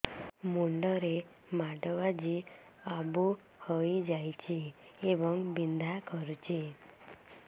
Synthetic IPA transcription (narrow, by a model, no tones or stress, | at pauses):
muɳɖɔɾe | maɖɔʋad͡ʒi | abu | hɔjd͡ʒajt͡ʃʰiːbɔŋbind̪ʱakɔɾut͡ʃi